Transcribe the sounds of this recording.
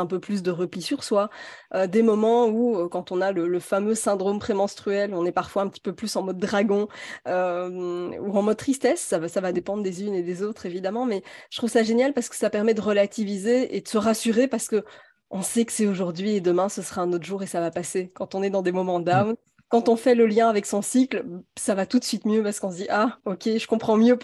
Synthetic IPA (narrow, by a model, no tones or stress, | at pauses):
ɛ̃pøplys̬d̪əʁəplisyʁswaød̪emɔmɑ̃uøkɑ̃t̪ɔ̃nalələfamøsɛ̃d̪ʁompχemɑ̃st̪χyɛlɔ̃nɛpaʁfwaɛ̃pət̪i̥pøplysɑ̃mɔd̪ːʁaɡɔ̃ømuɑ̃mɔd̪̚t̪χist̪ɛsːavasavad̪epɑ̃d̪ʁəd̪ezyned̪ezot̪χevid̪amɑ̃mɛʒə̥t̪χuvsaʒenjalpaʁsə̥kə̥sapɛʁmɛd̪əʁəlat̪ivizeḛd̪əsəʁasyʁepaʁsə̥kə | ɔ̃sɛkə̥sɛoʒuʁd̪ɥied̪əmɛ̃səsəʁaɛ̃not̪χʒuːʁesavapasekɑ̃t̪ɔ̃nɛd̪ɑ̃d̪emɔmɑ̃d̪am | kɑ̃t̪ɔ̃fɛləljɛ̃avɛksɔ̃siklsavat̪ut̪sɥit̪mjøpaʁsə̥kɔ̃s̬d̪iʔaɔkʲeʒəkɔ̃pχɑ̃mjø